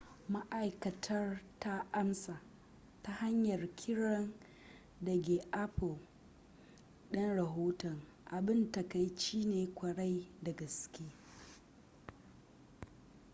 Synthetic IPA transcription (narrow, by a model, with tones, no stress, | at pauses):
ma˦ʔa˨jkɐ˨tʰɐ˦rta˦ʔa˦msaː˨ | ta˦ha˦ɲjɐ˨rkʲʰɪ˦ɽɔ˦n | dɐ˨ɡʲeː˨ʔa˦pʊ˨l | ɗɐ˦nɽɐ˨ɦoː˦tɔ˨ŋ | ʔa˨bɪ˦nta˨ka˦jt͡ʃiː˦neː˨kʷɐ˨ɽa˦jdɐ˨ɡɐ˨skʲeː˦